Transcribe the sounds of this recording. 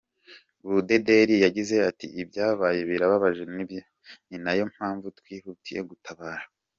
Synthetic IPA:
βude̞deɾijaɟize̞atḭʔibjaːβaje̞βiɾaβaβaʒe̞nibjo | ninajo̞m̥haːɱvutwiːhutijḛɡutʰaβaːɾa

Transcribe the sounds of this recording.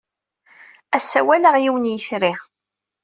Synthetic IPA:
æsːæwæləʁjiwənjəθɾiʁ

